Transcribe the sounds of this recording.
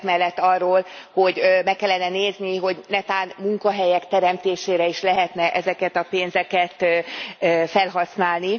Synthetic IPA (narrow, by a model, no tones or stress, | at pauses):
t̪mɛlːɛt̪ːɒrːoːlho̞ɟmɛkːɛlːɛnɛneːzniɦo̞ɟnɛt̪aːnmuŋkɒɦɛjɛkt̪ɛɾɛmt̪eːʃeːɾɛiʃlɛɦɛt̪nɛʔɛzɛkɛt̪ɒpeːnzɛkɛt̪ː | fɛlɦɒsnaːlni